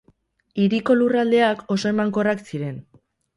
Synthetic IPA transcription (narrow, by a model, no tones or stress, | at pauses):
iɾiko̞lurald̪e̞ako̞so̞e̞maŋko̞raksiɾe̞n